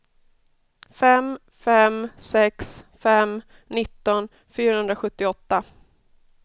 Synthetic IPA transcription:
fɛm | fɛmsɛksfɛm | nɪt̪ːɔn | fyːɾahɵnd̪ɾaɧɵt̪ːɪɔt̪ːa

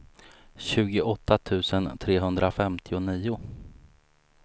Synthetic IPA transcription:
ɕʉ̟ːɡʊʔɔt̪ʰːat̪ʰʉ̟ːsənt̪ʰɾeːɦɵnd̪ɾafɛmt̪ʰɪʊniːʊ

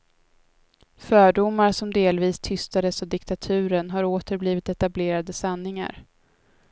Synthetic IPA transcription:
fœːɖʊmːaɾsɔmd̪eːlviːst̪ʰʏst̪ad̪əsɔd̪ɪkt̪at̪ʰʉ̟ːɾənɦaɾoːt̪əɾbliːvɪt̪ɛt̪ableːɾad̪əsanːɪŋa̰ɾ

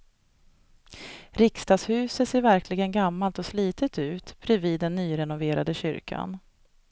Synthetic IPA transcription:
ɾɪkst̪ɑːɡshʉ̟ːsət̪seːɾvæɾkʰlɪɡənɡamːalt̪ɔsliːt̪ət̪ʉ̟ːt̪b̥ʰɾɛviːd̪ːɛnːyːɾɛnʊveːɾad̪əɕʏ̰ɾkʰa̰n

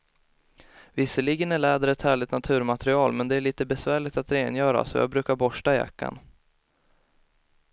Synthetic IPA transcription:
vɪsːəɭiːɡənæɭæːd̪əɾɛt̪hæːɭɪt̪nat̪ʰʉ̟ːɾmat̪ɾɪɑːlmɛnd̪ɛæɭiːt̪əbɛsvæːɭɪt̪at̪ɾeːnjœːɾa̰sɔjɑ̰ːbɾʉ̟ːkaɾbɔʂʈaɪja̰kːa̰n

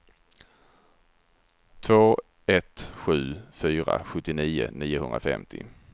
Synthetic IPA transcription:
t̪ʰvoː | ɛt̪ɧʉ̟ːfyːɾa̰ɧɵt̪ːɪniːʊniːjʊɦɵnd̪ɾafɛ̰mt̪ʰɪ̰

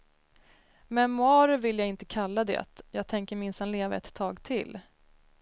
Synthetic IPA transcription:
mɛnmʊɑːɾvɪljaɡɪnt̪əkʰalːad̪ɛ̰ːt̪jɑːɡ̚t̪ʰɛŋkəɾmɪnshanleːva̰ɛ̰t̪ʰːɑːɡt̪ʰɪl

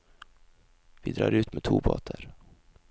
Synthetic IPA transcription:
vɪd̪ɾɑːɾʉ̟ːt̪mɛt̪ʰuːbɑ̰ːt̪ʰəɾ

